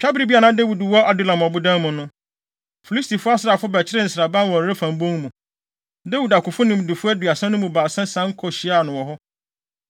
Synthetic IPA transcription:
t͡ɕᶣa˦bɾi˦bi˦a˨nã˦de˦wu˨dwɔ˦ʔa˨du˦˨lã˨m˨ɔ˨bʊ˦dã˦mʊ̃˨nʊ̃˦ | fi˨li˦sti˨fʊ˦a˦sɪ˨ɾa˨fʊ˦bæ˨t͡ɕʰɪ˦ɾɪ˦n̩˨sɾa˨bã˦nwɔ̃˨ɾɾɪ˦fã˨mbõ˦ŋ˦mũ˨ | de˦wu˨da˨kʊ˨fʊ˦nʊ̃˨m˨dɪ˨fʊ˦æ˦dɥa˨sã˦nʊ̃˦mũ˨baː˨sã˦sã˦ŋ̩˦kʰɔ˨ɕi˨˦a˦˨nʊ̃˨wɔ˨ɦɔ˦

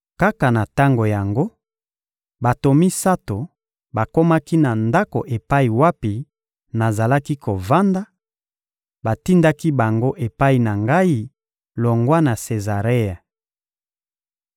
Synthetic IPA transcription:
ka˦ka˨na˨ta˦ŋɡo˨ja˨ŋɡo˦ | ba˨to˨mi˦sa˦to˨ | ba˨ko˦ma˦ki˦na˨nda˦ko˨ʔe˨pa˦i˨wa˦pi˨ | na˨za˨la˦ki˦kʰo˨va˦nda˦ | ba˨ti˦nda˦ki˦ba˨ŋɡo˦ʔe˨pa˦i˨na˨ŋɡa˦i˦ | lo˨ŋɡwa˦na˨se˨za˨ʁe˦ja˨

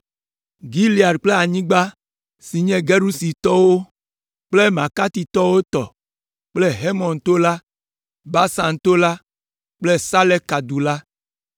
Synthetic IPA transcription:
ɡi˦li˨a˨ɖk͡ple˦a˨ɲĩ˦ɡ͡ba˦ | si˨ɲɛ̃˦ɡe˦ɾu˦si˨t̪ɔ˦wo˦ | k͡ple˦mã˨ka˦t̪i˨t̪ɔ˦wo˦t̪ɔ̰˨ | k͡ple˦ɦe˦mɔ̃˨nt̪o˦la˦ | ba˦sã˨nt̪o˦la˦ | k͡ple˦sa˦lɛ˦kːa˨d̪u˨la˦

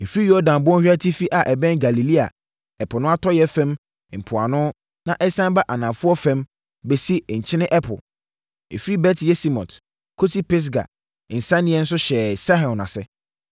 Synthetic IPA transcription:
e˨fɾi˦jɔ˦dã˨n˨bʊ˦ɔ̃˦hᶣa˦tʰi˦fi˦ʔa˨ʔɛ˨bɛ̃˦nɡa˨li˨li˦a̰˨ | ɛ˨pʰʊ˨nʊ̃˦a˦tʰɔ˦jɛ˦fɛ̃˦m | m̩˨pʰʊ˨a˨nʊ̃˦ | nã˨ʔɛ˦sã˦ba˦ʔa˨nã˨fʊ˦ɔ˦fɛ̃˦m | be˨si˦˨ɲ̩˨t͡ɕʰɪ̃˦nɪ̃˦ʔɛ˦pʰʊ̰˨ | ḛ˨fɾi˦bɛ˦tʰjɛ˦si˦mɔ̰̃˨t | kʰo˦tʰi˦pɛ˦s̬ɡa̰˨ | ɪ˨n̩˨sã˦nɪ̃˦ɛ˦n̩˦s̬ʊ˦ɕɛ˨sa˦ɦɔ̃˨nã̰˨sɛ˦

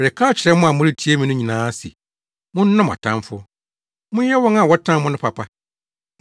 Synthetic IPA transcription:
ɾɛ˨kʰaː˦t͡ɕʰɪ˨ɾɛ˦mʊ̃˦a˨mʊ̃˦ɾi˦tʰi˦e˦mĩ˨nʊ̃˦ɲĩ˨nãː˦si˨ | mʊ̃˦n̩˦nɔ̃˦ma̰˨tʰã̰˦mfʊ˦ | mʊ̃˦jɛ˦wɔ̃˦ŋa˨wɔ˦tʰã˦mʊ̃˦nʊ̃˦pʰa˨pʰa˦

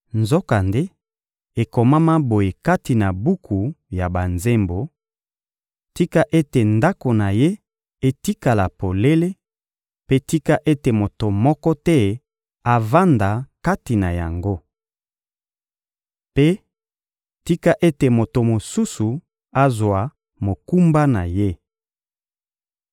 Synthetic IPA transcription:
nzo˦ka˨nde˦ | e˨ko˨ma˦ma˦bo˨je˨ka˦ti˨na˨bu˦kʰu˨ja˨ba˨nze˦mbo˨ | ti˦ka˦ʔe˦te˨nda˦ko˨na˨je˦ | e˨ti˦ka˨la˨po˨le˦le˦ | pe˦ti˦ka˦ʔe˦te˨mo˨to˨mɔ˦kɔ˦tɛ˦ | a˨va˦nda˨ka˦ti˨na˨ja̰˨ŋɡo˦ | pe˦ | ti˦ka˦ʔe˦te˨mo˨to˨mo˨su˦su˨ | a˦zwa˨ | mo˨ku˦mba˦na˨je˦

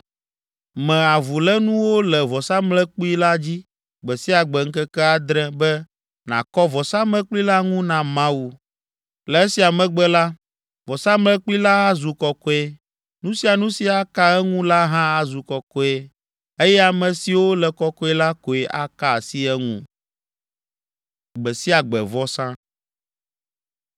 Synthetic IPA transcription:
mɛ̃˨a˨vu˨lɛ˦nũ˦wo˦lɛ˨vɔ˨sa˦mlɛ˦k͡pu˦i˦la˦d͡ʑi˦ | ɡ͡bɛ˨si˦a˨ɡ͡bɛ˨ŋ̩˦kɛ˦kɛ˦a˨d̪ɾɛ̃˦bɛ˦ | nã̰˨kɔ˦vɔ˨sa˦mlɛ̃˦k͡pli˦la˦ŋũ˦nã˨mã˦wu˨ | lɛ˨ɛ˦si˨a˨mɛ̃˨ɡ͡bɛ˦la˦ | vɔ˨sa˦mlɛ˦k͡pu˦i˦la˦a˦zu˨kɔ˨kɔ˦e˦ | nũ˦si˦a˨nũ˦si˨a˦ka˦ɛ˦ŋũ˦la˦ɦã˦a˦zu˨kɔ˨kɔ˦e˦ | e˦jɛ˦a˨mɛ̃˨si˨wo˦lɛ˨kɔ˦kɔ˦ɛ˦la˦ko˨e˨ʔa̰˦ka˨si˦ɛ˦ŋṵ̃˦ | ɡ͡bɛ˨si˦a˨ɡ͡bɛ̰˨vɔ˦sã˦

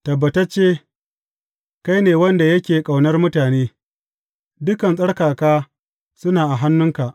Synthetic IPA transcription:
tɐ˨bːɐ˨tɐ˦t͡ʃeː˦ | ka˦jneː˨wɐ˦nda˨jɐ˦kʲeː˨kʼa˨wnɐ˦rmʊ˦taː˨neː˦ | dʊ˦kɐ˨nsʼɐ˦ɽkaː˨kaː˦ | sʊ˦naː˨ʔa˨ɦa˦nːʊ˦ŋka˨ʔ

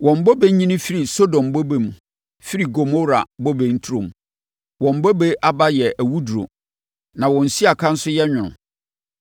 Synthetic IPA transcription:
wɔ̃˨m̩˨bɔ˦be˦ɲĩ˦nʊ̃˦fi˦ɾi˨so˦dɔ̃˨m˨bo˦be˨m˨ | fi˦ɾi˨ɡo˨mo˦ɾa̰˨bɔ˦be˨n̩˦tʰu˦ɾõ˨m˨ | wɔ̃˨m̩˨bɔ˦be˦ʔa˦ba˦jɛ˨ʔæ˨wu˦du˨ɾo̰˨ | nã˨wɔ̃˨n̩˨si˦a˨kʰã˦n̩˦sʊ˦jɛ˦ɲᶣʊ̃˨nʊ̰̃˨

